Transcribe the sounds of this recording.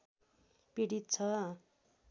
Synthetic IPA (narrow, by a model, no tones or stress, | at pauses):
peɽit̪̚t͡sʰʌ